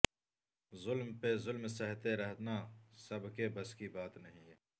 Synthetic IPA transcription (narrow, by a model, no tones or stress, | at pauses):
zʊlmpezʊlmsɐɦt̪eɾɐɦt̪nasɐbkebɐskibaːt̪nɐɦĩ